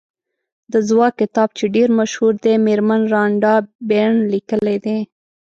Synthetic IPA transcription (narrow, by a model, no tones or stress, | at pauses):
d̪əzwɑkːɪt̪ɑb̚t͡ʃeɖeɾmaʃhuɾd̪emeɾmanɾɑɳɖɑbeɳlikəled̪e